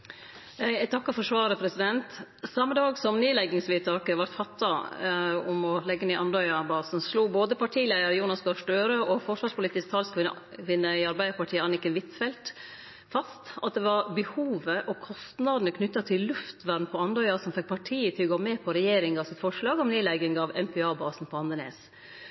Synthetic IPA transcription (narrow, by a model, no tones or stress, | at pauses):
jææt̪ʰɑkːɑfɔʂʋɑːɾəpʰɾɛsɪd̪ɛnt̪sɑmːəd̪ɑːɡsɔmneːlɛɡːɪŋsʋiːt̪ʰɑːkəʋɑɾt̪fɑt̪ːɑ | ɔmɔlɛɡːəniːɑnd̪ɔʏɑbɑːsn̩sluːboːd̪əpʰɑʈʰiːlæɪəɾəjuːnɑsɡɑʂɖøːɾøɔfɔʂʋɑːʂpʊliːt̪ɪsk̚t̪ʰɑlskʋɪ | kʰʋɪnːəɪɑɾbæɪəɾpɑʈʰiːəɑnɪkənʋɪt̪fɛlt̪ | fɑst̪ɑt̪̚d̪ɛʋɑɾbəhuːʋəʔɔkʰɔst̪nɑd̪ənəkʰnʏt̪ːɑt̪ʰɪllʉft̪ʋæɾnpʰɔɑnd̪ɔʏɑsɔmfɛk̚ːpʰɑʈʰiːət̪ʰɪlɡoːmɛpʰɔɾɛjeːɾɪŋɑsɪt̪fɔʂɭɑːɡɔmneːlæɡɪŋɑʋɛ̰mpʰɛɑːbɑːsn̩pʰɔɑnd̪ənḛːs